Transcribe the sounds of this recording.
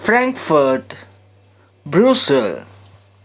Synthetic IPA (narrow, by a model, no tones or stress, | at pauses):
fɾɛ̃ŋkfəɾʈ | bɾuːsəl